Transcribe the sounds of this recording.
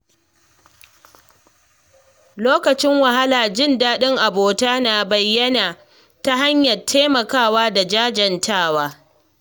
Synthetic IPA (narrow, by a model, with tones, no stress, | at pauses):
loː˦kɐ˨t͡ʃɪ˦ŋwɐ˨ha˦laː˨d͡ʒɪ˦˨ndaː˦ɗɪ˦ŋʔa˨boː˨taː˦naː˨bɐ˨jːɐ˦naː˨ | ta˦ɦa˦ɲjɐ˨rtʰeː˦mɐ˨kaː˦˨waː˦da˨d͡ʒaː˦d͡ʒɐ˨ntaː˦˨waː˦